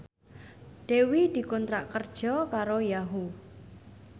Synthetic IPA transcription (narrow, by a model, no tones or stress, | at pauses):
ɖ̥e̤wid̪̥i̤kɔnt̪ɾaʔkərd̥ʒ̥ɔkaɾojaɦu